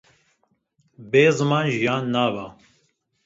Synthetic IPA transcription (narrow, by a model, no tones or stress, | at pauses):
beːzɨmɑːnʒijaːnːaːvaː